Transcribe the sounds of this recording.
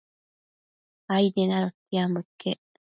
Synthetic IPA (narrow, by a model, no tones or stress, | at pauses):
ajd̪enaɾot̪ːiamɯkːe